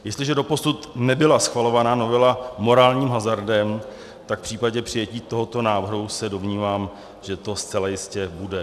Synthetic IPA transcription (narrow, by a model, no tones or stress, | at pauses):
jɛst̪lɪʒɛdo̞po̞sut̪nɛbɪlasxvalo̞vanaːno̞vɛlamo̞ɾaːlɲiːmɦazaɾdɛm | t̪akfpr̥iːpaɟɛpr̥ɪjɛciːt̪o̞ɦo̞t̪o̞naːvr̩ɦusɛdo̞mɲiːvaːm | ʒ̥ɛt̪o̞st͡sɛlajɪscɛbudɛ